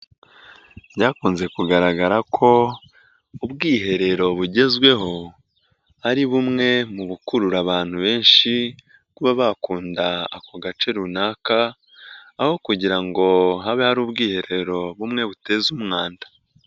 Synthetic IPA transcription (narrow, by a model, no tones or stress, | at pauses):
ɟaːkuːnze̞kuɡaɾaɡaɾakʰo̞ | ubɡiːɦe̞ɾe̞ɾo̞βuɟe̞zɡwe̞ɦo̞ | haɾiβumŋe̞muβukuɾuɾaβaːn̥huβe̞ːnʃi | kuβaβakuːndaːkoɡat͡ʃe̞ɾunaːkaː | ho̞kuɟiɾaŋɡo̞ɦaβehaɾuːbɡiːhe̞ɾe̞ɾo̞βumŋe̞βute̞zumŋaːnda